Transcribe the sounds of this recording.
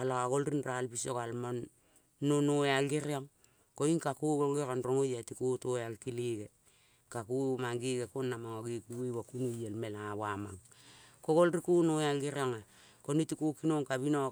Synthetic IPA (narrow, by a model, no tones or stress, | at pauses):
alokaɡolɾinralbisokalmonː | onoealɡeɾioŋ | koinkakuɡolɡeɾonɾoŋojatikutoealkiliɡe | kakumaŋɡiɡekonːamaŋoɡikuwewakunujelmelaaβama̰ŋ | koɡolɾikunoealɡiɾioŋa | konitikukinoŋkaβino